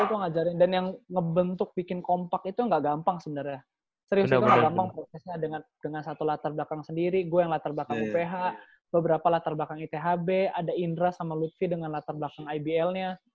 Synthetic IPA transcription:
it̪uŋad͡ʒaɾɪndanjaŋːəbənt̪ʊk̚bikɪnkompakit̪uŋɡaʔɡampaŋsəbənarja | səɾiusit̪uŋɡaɡampaŋpɾosɛsɲadəŋandəŋansat̪ulat̪arblakaŋsəndiɾiɡuajaŋlat̪arblakaŋupeɦaʔ | bəbəɾapalat̪arbakaŋit̪eɦabeadaindɾasamalut̪̚fidəŋanlat̪arbakaŋajbiɛlɲa

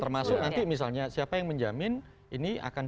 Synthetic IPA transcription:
t̪ərmasʊk̚nant̪imis̬alɲasiapajaŋməɲd͡ʒamɪn | inia̰kan

